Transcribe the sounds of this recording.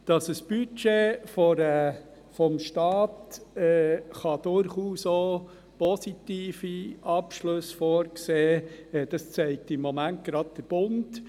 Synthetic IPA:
d̥ɑsəsb̥yt͡ʃefɔɾə | fɔmʃtɑːtɛːχɑd̥ʊɾχuːsoː | pɔsitiːfiʔɑpʃlɵsfɔːɾkseːɛd̥ɑst͡sɛɪk̚tɪmːɔmænt̚ɡ̥ɾɑd̚d̥əɾb̥ʊnd

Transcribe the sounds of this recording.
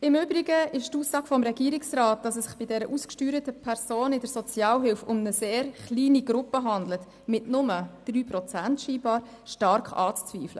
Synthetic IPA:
ɪmʏbɾiɡəɪʃtuːsːɑːɡ̥fɔmɾɛɡ̥iːɾɪksrɑːt̚d̥ɑsɛsɪχb̥ɪdɛɾəʔuːskʃtyːɾətəpʰɛɾsoːnɪdəɾsɔt͡sjɑːlɦɪlfʊmnəseːɾχliːniɡɾʊpəɦɑnd̪lət | mɪtnʊməd̥ryːpɾɔt͡sæntʃiːbɑːɾ | ʃtɑɾkɑ̰ːt͡st͡sviːflə̰

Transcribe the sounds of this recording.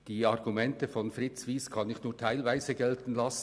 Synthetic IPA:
d̥iːɑʁɡumɛntəfɔnfʁɪt͡sviːskʰɑnɪçnuːɐtʰaɪlvaɪzəɡɛltn̩lɑs

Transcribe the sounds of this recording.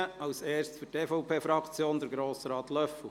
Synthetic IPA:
əɑʊseːɾstfyteːfɔʊpʰeːfɾɑkt͡sjoːnd̪əɾɡɾoːsəɾɑːt̪lœfu

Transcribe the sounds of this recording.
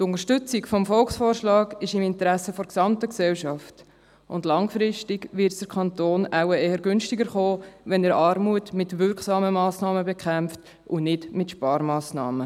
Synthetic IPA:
tʊntəɾʃtʏt͡sɪkfɔmfɔlksfɔːɾʃlɑːɡɪʃɪmɪntəɾæsəfɔɾksɑmtəksɛlʃɑft | ʊndlɑŋfɾɪʃtɪɡʋɪɾtsd̥əɾkʰɑntoːnaʊwəeːhəɾɡʏnʃtɪɡəɾχoːʋɛndəɾɑɾmuətmɪtʋʏɾksɑːməmɑːsnɑːməbɛkʰχæmft | ʔʊnɪdmɪtʃpɑːɾmɑːsnɑ̰ːmə

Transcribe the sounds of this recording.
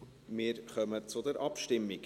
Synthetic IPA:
mɪːɾχœmət͡sʊd̪əɾʔɑpʃtɪmːiɡ

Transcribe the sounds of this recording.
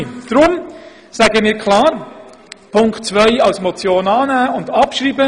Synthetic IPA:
d̥ɾʊm | sæɡəmiːɾkʰlaːɾ | pʰʊŋktt͡svœɪɑlsmɔt͡sjoːnɑːnæːʊndɑpʃɾiːbə

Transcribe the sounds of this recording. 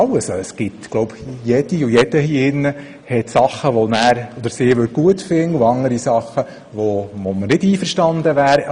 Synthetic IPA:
ɑʊəssɡ̥ɪt̪ɡ̥lɔʊbjɛd̪̥iʊjɛd̥̪əhiːɪnːə | hɛt̪sɑχːəʋɔnæːɾɔd̪əɾsɪːʋøɾɡ̥uətfɪnuɑŋəɾisɑχːə | ʋɔʋɔmənɪdiːfəɾʃtɑnd̪əʋæːɾ

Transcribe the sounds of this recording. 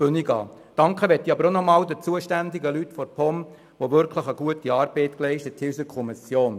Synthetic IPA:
b̥øniɡɑ̰ː | d̥ɑŋkχəʋɛt̪ːiɑbəɾonɔmɑːld̪ət͡suəʃtænd̪ɪɡəlytfɔɾpʰɔm | ʋoʋʏɾkʰləχəɡuətiɑːɾb̥ɛɪtklɛɪʃtətʰɪsəɾkʰɔmisjoːn

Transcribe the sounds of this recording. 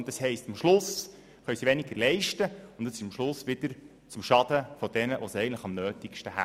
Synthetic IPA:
ntɑshɛɪstɑmʃlʊs | χœɥsiʋɛniɡəɾlɛɪʃtəʊntɑsɪʃɑmʃlʊsʋɪd̥̪əɾ | t͡sʊmʃɑd̥əfɔd̥ɛnəʋosiɛɪɡəntlə̥χɑmnøːtɪkʃtəɦæ̰

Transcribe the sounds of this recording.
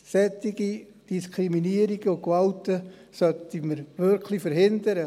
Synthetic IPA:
sɛtːiɡ̥i | d̥iskʰɾiminiəɾiɡ̥əʊkvɑltə | sœtiməɾvʏɾkʰlifəɾɦɪnd̪əɾə

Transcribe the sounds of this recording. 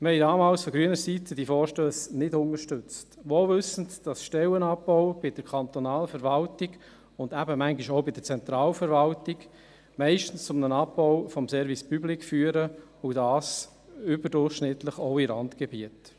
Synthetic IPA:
məhɛɪdɑːmɑːlsfɔɡɾyənəɾsitəd̥ifɔːɾʃtøːsnɪdʊnəʃtʏt͡stʋolvʏsən̩td̥ɑsʃtɛlənɑpːɔʊb̥ɪd̥əɾkʰɑnt̪ɔnɑːlfəɾvɑltiɡ | ʊndæbəmæŋɡiʃoʊbɪd̥əɾt͡sɛnt̪ɾɑːlfəɾvɑltɪk | mɛɪʃtən̩st͡sʊmnənɑpːɔʊfɔmsɛɾvispyblɪkfyːəɾə | ʊdɑːs | ʏbəɾdʊχʃnɪt̪ləχoʊilɑntɡ̥ebiət

